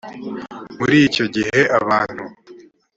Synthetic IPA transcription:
muɾiːco̞ɟihe̞ʔaβaːn̥hu

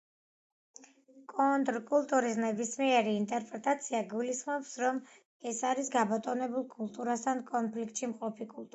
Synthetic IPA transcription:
kʼɔnt̪ʼɾkʼulˠt̪ʼuɾisnɛbismiɛɾiːnt̪ʼɛɾpʼɾɛt̪ʼat̪sʰiaɡulisχmɔpsɾɔm | ɛsaɾisɡabɔt̪ʼɔnɛbulˠkʼulˠt̪ʼuɾast̪ʰankʼɔnpʰlikʰt̪ʃimqʼɔpʰikʼulˠt̪ʼ

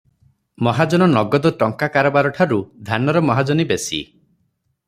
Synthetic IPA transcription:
mɔɦad͡ʒɔnɔnɔɡɔd̪ɔʈɔŋkakaɾɔbaɾɔʈʰaɾud̪ʱanɔɾɔmɔɦad͡ʒɔnibesḭ

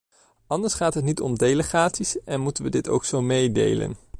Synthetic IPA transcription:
ɑndəɹsχaːtɦətnitɔmdejləχaːtsisʔɛnmutənʋədɪto̰wksowmejdḛjlə̰n

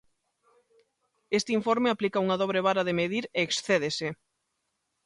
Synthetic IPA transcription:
est̪ɪiɱfɔɾmeaplikɐuŋaðɔβ̞ɾeβ̞aɾaðemeðiɾeːksθeðese

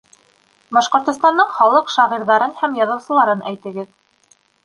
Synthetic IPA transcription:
bɑʃqŏɾt̪ŏst̪ɑnːɤɴχɑlˠɤqʃɑʁiɾðɑɾɤnhæmjɑðɤ̆wsɤ̆lˠɑɾɤnæjt̪ɘ̆ɡɘð

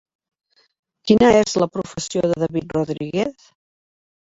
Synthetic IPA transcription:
kinəezləpɾufəsioðəðəβit̪ruðɾiɣeθ

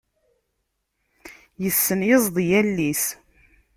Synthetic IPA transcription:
jəsːənjəzˤðˤjælːis

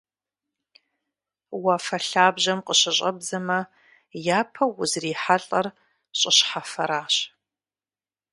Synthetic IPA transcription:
wafɐɬaːbʑɐmqəɕɪɕʼɐbzɐmɐ | jaːpʰɐwʊzriːħaɬʼɐr | ɕʼɪɕħafɐɾaːɕ

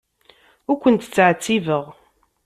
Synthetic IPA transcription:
ʊɾkʷənt̪t͡sːəʕt͡sːivəʁ

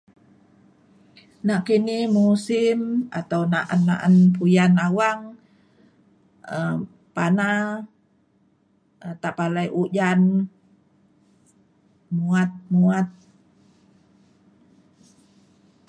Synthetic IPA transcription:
naʔkinihmusima̰t̪awnaʔanːa̰ʔanpujanawaŋ | ə | pana | t̪aʔpalajʔuʔd͡ʒan | muat̪̚muat̪̚

